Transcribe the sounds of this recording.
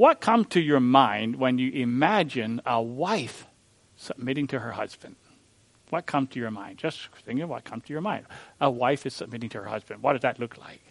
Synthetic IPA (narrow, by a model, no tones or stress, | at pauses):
wʌt̚kʰʌ̃m̥tʰɨjə˞mãɪ̃nd̚wə̃njɨʔɪmæd͡ʒɨ̃nəwaɪf | səb̚mɪɾɪ̃ŋtʰɨə˞hʌ̰zbɨ̃nd̥̚ | wʌt̚kʰʌ̃mz̥tʰɨjə˞mã̰ɪ̃ndd͡ʒʌstθɪ̃ŋkɪ̃ŋwʌ̰t̚kʰʌ̃mz̥tʰɨjə˞mãɪ̃ndəwaɪfɨz̥səb̚mɪɾɪ̃ŋtʰɨə̰˞hʌ̰zbɨ̃nd̚wʌt̚d̥ʌzðɨtˡlʊkʰla̰ɪk̚